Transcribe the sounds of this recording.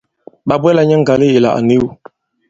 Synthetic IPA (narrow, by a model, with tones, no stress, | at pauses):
ɓa˨bwɛ˦la˨ɲɛ˦ŋ̩˦ɡa˨li˦je˨la̰˨ʔa̰˨ne˦u˦